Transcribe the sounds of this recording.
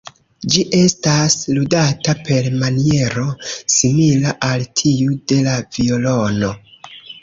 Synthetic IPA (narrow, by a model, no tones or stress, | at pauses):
d͡ʒiʔe̞stasludatape̞lmanie̞ɾo̞similaʔaltʰiude̞lavio̞lo̞no̞